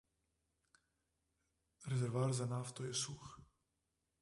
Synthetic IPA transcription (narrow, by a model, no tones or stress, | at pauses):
ɾezɛɾvaːɾzanaft̪ojɛsux